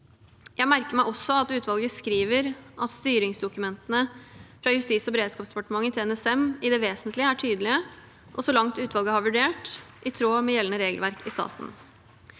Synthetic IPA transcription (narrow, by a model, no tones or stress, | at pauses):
jæɪmæɾkəmæɪʔɔsːɔɑt̪ʉːt̪ʰʋɑlɡəskɾiːʋəɾʔɑt̪st̪yːɾɪŋsd̪ʊkʉmɛnt̪ənəfɾɑjʉst̪iːsɔbɛɾeːd̪skɑːpsd̪ɛpɑʈəmɑŋːət̪ʰɪlɛnɛsɛmɪd̪ɛʋeːsənt̪lɪəæʈʰyːd̪əlɪə | ʔɔsɔlɑŋt̪ʉːt̪ʋɑlɡəhɑɾʋʉɖeːʈʔɪt̪ʰɾoːmɛjɛlənəɾeːɡəlʋæɾkʰɪst̪ɑ̰ːt̪n̩